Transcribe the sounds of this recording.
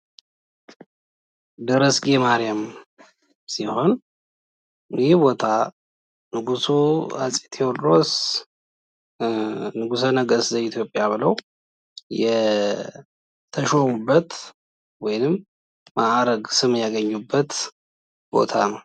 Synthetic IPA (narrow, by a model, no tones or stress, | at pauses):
d̪ɨɾəsɡemaɾijam | siho̞n | bo̞t̪ʰa | nɨɡusuasʼit̪ʰeolɾos | nɨɡusənəɡəszəit̪ʰjo̞pʼjaβɨləw | jɛ | t̪ʰəʃomubːət̪ | wɔjɪnɨmː | aɾəɡsɨmjaɡəɲːubːət̪ | b̥o̞̰t̪ʰanəw